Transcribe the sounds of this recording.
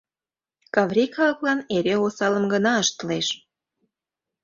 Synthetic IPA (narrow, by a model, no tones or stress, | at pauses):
kɑβɾʲikɑlɤ̆klɑneɾeosɑləmɡənɑəʃt̪əleʃ